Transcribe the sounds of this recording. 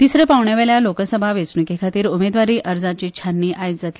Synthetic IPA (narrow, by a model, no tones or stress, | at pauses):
t̪isɾəpaʋɳjaʋɛɭjalokəsəbʱaʋet͡snukekʰat̪iːɾumed̪ʋaɾiːʔʔəɾd͡zat͡ɕit͡ɕʰanːiːʔajd͡zat̪li